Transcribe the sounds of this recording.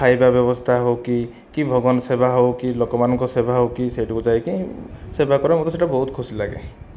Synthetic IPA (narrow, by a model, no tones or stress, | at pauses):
kʰajbabjɔbɔst̪ʰaɦowki | kibʱɔɡɔnsebaɦowkilokɔmanɔŋkɔsebaɦowkiseʈʰikud͡ʒajkisebakɔɾamot̪ɔseʈabɔɦut̪̚kʰusilaɡḛ